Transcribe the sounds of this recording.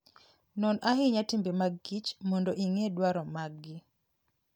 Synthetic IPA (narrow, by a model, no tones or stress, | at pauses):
nɔnʔaɦɪɲatimbemaɡːit͡ʃmɔndoʔiŋedwaɾɔmaɡɪ